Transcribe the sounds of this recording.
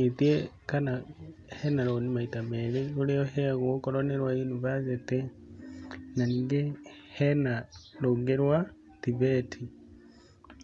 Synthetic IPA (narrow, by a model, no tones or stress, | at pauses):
itie | kana | henaɾoːnimaitameɾeuleoɦeaɣwkoɾoneɾwainuβazete | naniːŋɡehenaloŋɡeɾwa | tiβetʰi